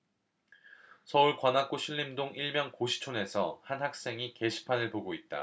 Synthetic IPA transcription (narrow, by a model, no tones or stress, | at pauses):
sʰʌuɭkwanak͈uɕʰiɭːimdoŋiɭmjʌŋkoɕʰi̥t͡ɕʰone̞sʰʌhanɦak̚s͈e̞ŋike̞ɕʰi̥pʰanɯɭpoɡoit̚t͈a̰